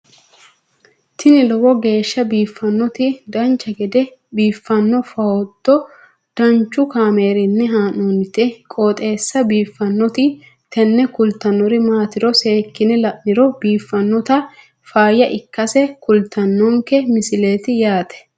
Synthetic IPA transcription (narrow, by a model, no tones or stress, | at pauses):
t̪ɪnɪlɔwɔɡe̞ːʃːɐbiːfːɐnːɔt̪ɪd̪ɐnt͡ʃːɐɡɛd̪ɛ | biːfːɐnːɔfɐwɔt̪ːɔ | d̪̥ɐnt͡ʃːʊkaːme̞ːɾɪnːɛɦaːnɔnɪt̪ɛkʼoːt̪ʼe̞ːsːɐbiːfːɐnːɔt̪ɪ | t̪ɛnːɛkʊlt̪ːɐnːɔɾɪmaːt̪ɪɾɔseːkːɪnɛlɐʔːɪɾɔbiːfːɐnːɔt̪ɐ | faːjɐʔɪkːɐsɛkʊlt̪ːɐnːɔŋkɛmɪsɪle̞ːt̪ɪjaːt̪ɛ̥